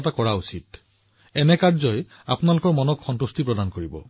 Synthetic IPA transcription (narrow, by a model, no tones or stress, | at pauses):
t̬akɔɹausit | ɛnɛkaɹzɔj | a̰pʊnalʊkɔɹmɔnɔkxɔntustipɹɔdankoɹibɔ̰